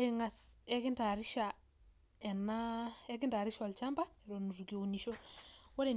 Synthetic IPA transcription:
eŋa˨sɛ˦ki˦nta˨ɾi˦ʃa˨ | ɛ˨na˦ɛ˦k̬i˦nta˨ɾi˦ʃɔ˨lt͡ʃa˦mba˦ɛ˨ɾo˨nu˨zu˨ki˨o˨u˨ni˨ʃo˦wɔ˦ɾe˨

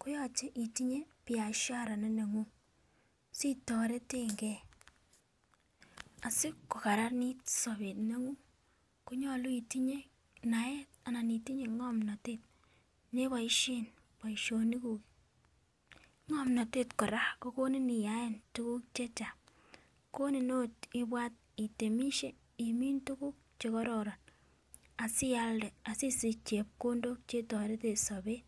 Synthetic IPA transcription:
ku˦jɔ˦˨t͡ʃe˦ʔi˨ti˦ɲe˦pi˨a˨ʃja˦˨ɾa˨ne˦ne˨ŋu˦ | si˦tɔ˨ɾe˦te˦ŋɡɛ˦ | a˨sɪ˦kːu˨ka˨ɾa˦ɾni˦tsɔ˨be˨tne˦ŋu˦ | ku˦ɲɔ˦lu˦i˨ti˦ɲe˦ | na˨˦e˦t̚a˨na˨ni˨ti˦ɲe˨˦ŋɔ˦mna˨te˦˨t̚ | ne˦βa˨i˦ʃe˦n | pɔ˨i˨ʃo˨ni˦ku˨k | ŋɔ˦mnɔ˨te˦tkɔ˨ɾa˦ko˦ko˦ni˦ni˨ja˨˦e˦ntu˦ku˦k̚t͡ʃe˦t͡ʃa˨ | ko˦ni˨no˦ti˦bwa˦t̚i˨te˨mi˦ʃe˦ | i˨mi˦ntu˦ku˦k̚t͡ʃe˨kɔ˦ɾɔ˨ɾɔ˨n | a˨si˦ja˦ldɛ˨a˨si˦si˨t͡ʃe˨p̚ko˦ndo˦kt͡ʃe˦tɔ˨ɾe˦te˦˨sɔ˨be˦

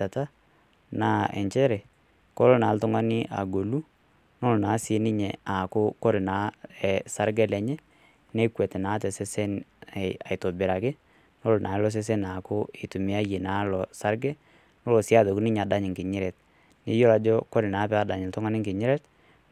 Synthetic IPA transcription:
a˨ta˦ | na˦ɛ̰˨ɲt͡ʃɛ˦ɾɛ˨ | ko˦lɔ˦na˨˦ltʊ˦ŋa˦nɪ˦ʔa̰˨ɡo˨lu˦ | no˦lnaː˨˦sɪ˨˦nɪ˦ɲɛ˨a˨kʊ˦kɔ˦ɾɪ˨na˨˦ɛ˨sa˦ɾɡɛ˦lɛ˨ɲɛ˦ | ne˦kwɛ˨tɪ˨naː˨˦tɛ˨se˦sɛ˦nɛ˨a̰˨ɪ˨to˨bɪ˨ɾa˨kɪ˦ | no˦lnʔa˨˦lɔ˦s̬e˦s̬e˦na˨kʊ˦ɪ˨tu˨mɪ˦a˦je˨naː˨˦lɔ˨sa˦ɾɡɛ˦ | nɔ˦lɔ˨sɪ˦a˦ðo˨kʊ˦nɪ˦ɲa˨da˦ɲɪ˨ŋkɪ˨ɲɪ˦ɾɛ˨t̚ | nɪ˦jo˦la˨d͡ʒɔ˦kɔ˦ɾɪ˨na˨˦pɛ˦a˨da˨ɲɪ˨ltʊ˦ŋa˦nɪ˦ŋkɪ˨ɲɪ˦ɾɛ˦t

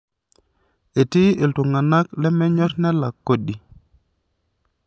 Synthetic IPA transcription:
e˨ti˦e˨ltu˨ŋa˨na˦klɛ˦mɛ˦ɲɔ˦tnɛ˦la˨kːo˦ɗi˨

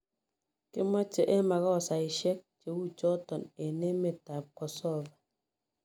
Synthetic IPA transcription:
ke˦ma˦t͡ʃə˦˨ʔe˦ma˨kɔ˦˨sa˨i˨ʃɛ˦k̚t͡ʃe˨wu˦t͡ʃɔ˦tɔ˨ne˨ne˦me˨ta˨kɔ˨sɔ˦˨va˨

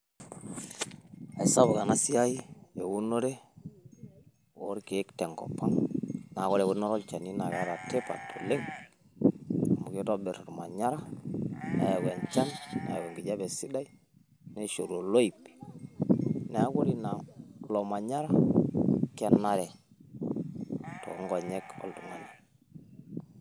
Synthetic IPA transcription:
a˨i˨sa˦βo˨ka˨na˦si˦a˦i˦je˨wu˦no˦ɾe˦ | o˦ɾke˨˦ktɛ˨ŋɡɔ̰˨pa˦ŋna˨kɔ˦ɾɛ˨ku˦ɾnɔ˦ɾɔ˦lt͡ʃa˨ni˦na˨ka˦ɾa˨te˦pa̰˨tʰo˨le˦ŋ | a˨mu˨ke˦tɔ˦bɛ˨ɾɔ˨ɾma̰˨ɲa˦ɾa˦na̰˨ja˨ɡwɛ˨nt͡ʃa˦nna̰˨ja˨wɛ˨ŋɡi˨d͡ʒa˦bɛ˨si˦da˦i˦ | nɛ˦ʃo˨ɾo˨lo˦i˨pi̥˨ | ne˨a˦ko˦ɾi˨na˨lɔ˨ma˨ɲa˦ɾa˦ | kɛ˦na˦ɾɛ˨ | tɔ̰˨˦ŋɡɔ˨ɲɛ˦kɔ̰˨ltu˨ŋa˨nɛ˨

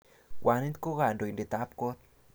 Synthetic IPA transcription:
wʔa˨ne˦t̪ko˦ɣa˨ndo˨i˨nde˨t̪a˦p̚ko˦t̪̚

